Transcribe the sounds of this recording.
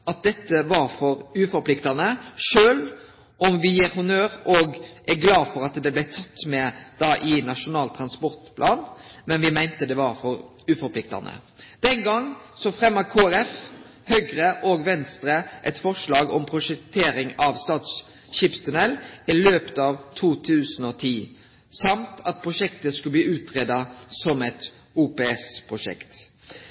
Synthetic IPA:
ɑt̪̚d̪ɛt̪ːəʋɑɾfɔɾʉːfɔɾpʰlɪkt̪ɑnəʂøːl | ɔmʋɪæhʊnøːɾɔɡʔæɡlɑːfɔɾɑt̪d̪ɛblæɪt̪ʰɑt̪ːmɛd̪̥ɑːʔɪnɑʂʊnɑːlt̪ʰɾɑnspɔɾt̪pʰlʔɑːnmɛnʋɪmæɪnt̪əd̪ɛʋɑɾfɔɾʉːfɔɾpʰlɪk̚t̪ɑ̰nə̰ | d̪̥ɛnɡɑŋːsɔfɾɛmːɑkʰoːæɾɛf | hœɡɾəʔoːɡʋɛnst̪ɾəʔɛt̪fɔʁʂlɑːɡɔmpʰɾʊʂɛk̚t̪ʰeːɾɪŋɑʋst̪ɑːt̪s | ʃiːpst̪ʰʉnɛlːɪløːpt̪ɑʋt̪ʰuːt̪ʰʉːsn̩ɔt̪ʰiː | sɑmt̪ʰɑt̪̚pʰʁʊʂɛkt̪əskʉləb̪liːʉːt̪ʁeːd̪ɑsɔmɛt̪ | uːpeːɛspʰʁʊʂɛ̰kt̪

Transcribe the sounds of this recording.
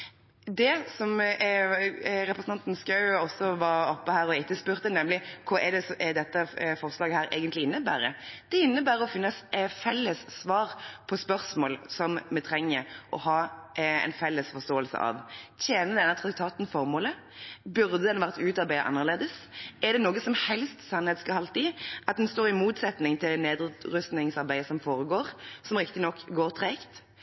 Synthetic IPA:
d̪ɛsɔm | ɾɛpɾəsn̩ɑnt̪n̩skɑʉɔsɔʋɑɾɔpːəhæːɾɔɪt̪ːəspʉʁt̪ənɛmlɪkʰɑʔɛd̪ɛsɛd̪ɛt̪ːəfɔʁslɑːɡəhæːɾḛːɡənt̪lɪɪnːəbæ̰ːɾəd̪̥ɛɪnːəbæːɾəɔfɪnːəsfɛlːəsːʋɑːʁpʰɔspœʁsmoːlsɔmmɛt̪ʰɾɛŋːəɾʔɔ̰hɑːɛ̰ɪnfɛlːəsfɔʁst̪oːəlsə̰ʔɑ̰ʋt̪ʰjeːnəd̪ɛnːət̪ʰʁɑk̚t̪ʰɑːt̪n̩fɔʁmoːlə | bʉʁd̪əd̪ɛnʋæʁt̪ʉːt̪ɑɾbæɪə̰ʔɑ̰nːəʁleːd̪əsɛʁd̪ɛnoːɡəsɔmhɛlst̪sɑnheːt̪skɑhɑlt̪ɪʔɑt̪̚d̪ɛnst̪oːʁɪmuːt̪sɛt̪nɪŋt̪ʰɪld̪neːd̪ʁʉst̪nɪŋsɑɾbæɪəsɔmfoːɾəɡoːɾsɔmʁɪkt̪ɪnɔkːɡoːʁt̪ʰʁɛɪkt̪

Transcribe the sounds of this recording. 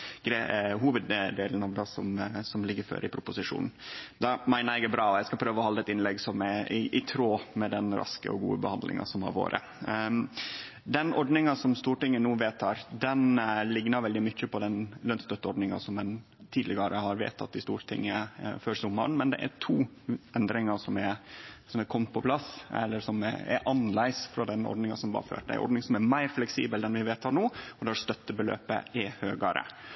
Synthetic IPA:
ɡ̥ɾeɦuːʋəd̪d̪eːln̩ɑʋd̪ɑsɔ̰msɔmlɪɡːəɾfø̰ːɾəɪpʰɾʊpʊsɪʂṵːnn̩d̪ɑmæɪnæɪɡæbɾɑːɔjæɪskɑlpʰɾøːʋəɔhɑlɛt̪ɪnlɛɡsɔmɛɪʔɪt̪ʰɾoːmɛd̪ɛnɾɑ̰skə̰ɔ̰ɡṵːə̰bəhɑnd̪lʔɪ̰ŋɑ̰sɔmhɑ̰ɾʋo̰ːɾə̰ | d̪ɛnɔɖnɪŋɑsɔmst̪uːʈɪŋːənuːʋeːt̪ʰːɑːɾd̪ɛnlɪɡnɑɾʋɛld̪ɪmʏçːəpɔd̪ɛnlœnt̪st̪œt̪ːəɔɖnɪŋɑ̰sɔmːɛn | t̪ʰiːd̪lɪɡɑɾəhɑɾʋḛːt̪ʰɑ̰t̪ːɪst̪uːɾt̪ʰɪ̰ŋːəføːɾsʊmːɑ̰ɳmɛnd̪ɛ̰ʔæ̰ʈʰuːɛnd̪ɾɪŋɑʂɔmæɾsɔmækʰɔmt̪̚pʰɔpʰlɑsɛ̰lːəɾʂɔm̰ɛ̰ɾʔɑnlæɪsfɾɑd̪ɛnɔ̰ɖnɪŋɑ̰sɔmbɑ̰ːɾfø̰ːʈd̪æ̰ʔɔ̰ɖnɪŋsɔmæɾmæɪɾflɛksḭːbəld̪ɛnʋɪʋeːt̪ʰɑːɳuːɔd̪ɛɑɾst̪œt̪ːəbəlø̰ːpə̰ʔɛhøːɡɑɾə̰

